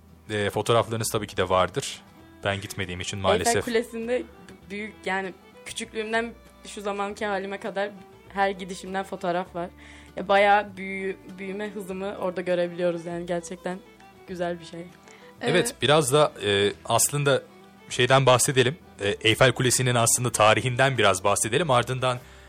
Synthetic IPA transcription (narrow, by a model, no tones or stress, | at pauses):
ɛːfo̞t̪ʰo̞ːɾaflˠaɾɯnɯzt̪ʰabiːcʰid̪ɛvaɾd̪ɯɾ̥ | b̥ænɟit̪me̞d̪iːimit͡ʃʰinmaːlʲesɛfkʰulʲesind̪ɛ | byjycjaːnɪ | cʰy̥t͡ʃʰycʲlʲyːmd̪æn | ʃuzamancʰɛɦaːlʲimɛkad̪aɾ | ɦæɾɟid̪iʃimd̪ænfo̞t̪ʰo̞ːɾafvaɾ̥ | vɛbajaːbybyjymɛɦɯzɯmɯʔo̞ɾd̪aɟø̞ɾe̞bilʲijo̞ɾuzjaːniɟæɾt͡ʃʰɛc̚t̪ʰæn | ɟ̥yzælʲbiʃej | evɛt̪b̥iɾazd̪aɯːaslˠɯnd̪a | ʃe̞jd̪ænbaxse̞d̪elʲim | ɛːʔejfælʲkʰulʲe̞sininaslˠɯnd̪at̪ʰaːɾiɦind̪ænbiɾazbaxse̞d̪e̞lʲimaɾd̪ɯnd̪an